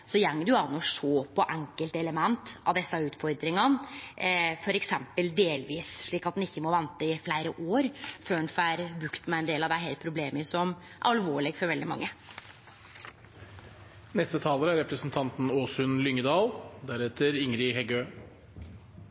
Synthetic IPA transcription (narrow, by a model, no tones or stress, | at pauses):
sɔjæŋːd̪ʉɑnɔʂoːpʰɔʔæŋkəlt̪ɛləmɛnt̪ɑ̰ʋd̪ɛsːɑʉːt̪fɔɾd̪ɾɪŋɑn | fɔɾɛksɛmpəld̪eːlʋiːsʂɭiːkɑt̪̚n̩ɪçːəmɔʋɛnt̪əɪflæɪɾəʔoːɾføːɳfæɾbɾʉkt̪mɛɛnd̪eːlɑd̪æɪɦeːlt̪̚pʰɾʊbleːmɪsɔm | ʔɑɑlʋoːɭɪɡfɔɾʋɛld̪ɪmɑ̰ŋːə | nɛst̪ət̪ʰɑːləɾəæɾɛpɾəsn̩t̪ʰɑnt̪n̩oːsʉnlʏŋːəd̪ɑːld̪æɾɛt̪ʰəɾɪŋɾɪɦɛɡøː